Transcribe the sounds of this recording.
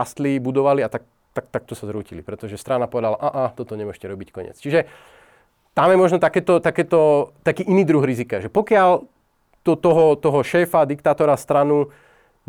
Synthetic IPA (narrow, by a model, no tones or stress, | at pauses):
ast̪libud̪ɔʋaliat̪ak | t̪ak̚t̪ak̚t̪ɔsazɾuːcilḭpɾɛt̪ɔʒɛst̪ɾanapɔʋɛd̪alaʔaʔat̪ɔt̪ɔɲɛmʊɔʃcɛɾɔbickɔɲɪ̰ɛ̰t͡st͡ʃiʒɛ | t̪amjɛmɔʒnɔt̪akɛːt̪ɔt̪akɛːt̪ɔt̪akiːʔiniːd̪ɾuɣɾizikaʒɛpɔkɪal | t̪ɔt̪ɔɦɔt̪ɔɦɔʃɛːfad̪ikt̪aːt̪ɔɾast̪ɾanu